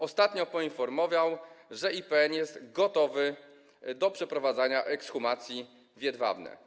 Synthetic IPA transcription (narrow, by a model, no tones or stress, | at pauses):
ɔst̪at̪ɲɔpɔinfɔɾmɔvawʐɛipɛɛnjɛst̪ɡɔt̪ɔvɘ | d̪ɔpʂɛpɾɔvad̪zaɲaʔɛksxumat̪sʲji | vʲjɛd̪va̰vnɛ̰